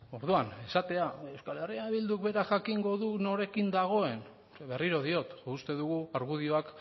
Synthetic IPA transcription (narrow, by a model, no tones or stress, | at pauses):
o̞ɾðuane̞sat̪e̞ae̞wskale̞riaβild̪uk̚be̞ɾaʝakiŋɡo̞ðuno̞ɾe̞kind̪aɣ̞o̞e̞n | βe̞riɾo̞ðio̞t̪ust̪e̞ðuɣuaɾɣuðio̞ak